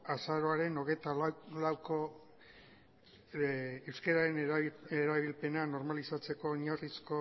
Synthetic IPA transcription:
asaɾo̞aɾe̞no̞ɣ̞et̪allawko | ewskeɾaɾe̞neɾaβilpe̞nano̞ɾmalisat͡se̞ko̞ːɲarisko

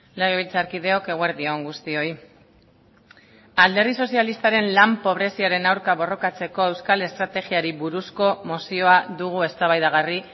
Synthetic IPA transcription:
le̞ɣ̞eβilt͡saɾkið̞e̞o̞ke̞ɣweɾðio̞ŋɡust̪io̞j | ald̪e̞ɾrðiso̞sialist̪aɾe̞nlampo̞β̞ɾe̞siaɾe̞nawɾkaβo̞ro̞kat͡se̞ko̞e̞wskale̞st̪ɾat̪e̞ɣiaɾiβuɾusko̞mosio̞aðuɣ̞ue̞st̪aβajðaɣ̞ari

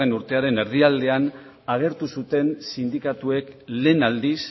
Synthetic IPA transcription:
enuɾt̪e̞aɾe̞ne̞ɾðiald̪e̞an | aɣ̞e̞ɾt̪usut̪e̞nsind̪ikat̪ue̞kle̞ːnald̪is

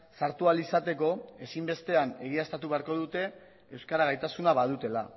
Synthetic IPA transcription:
saɾt̪ualisat̪e̞ko̞e̞simbe̞st̪e̞ane̞ɣ̞iaest̪at̪uβe̞aɾko̞ðut̪e̞ | ewskaɾaɣajt̪asunaβað̞ut̪e̞la

